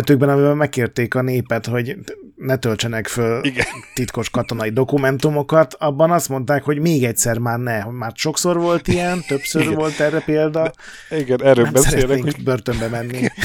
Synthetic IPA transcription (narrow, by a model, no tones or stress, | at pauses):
t̪yːɡ̚bɛnɒmivɛlmɛkːeːrt̪eːkɒneːpɛt̪ho̞ɟ | nɛt̪ølt͡ʃɛnɛkfølɡt̪it̪ko̞ʃkɒt̪o̞nɒid̪o̞kumɛnt̪umo̞kɒt̪ʰɒbːɒnɒst̪mo̞nt̪aːkho̞ɟmeːɡɛcsɛrmaːrnɛmaːrʃo̞kso̞rʋo̞lt̪ijɛnt̪ø̞psørvo̞lt̪ɛrːɛpeːld̪ɒ | iɡɛnɛɾøbɛsɛɾɛet̪ːeːŋbørt̪ømbɛmɛnːi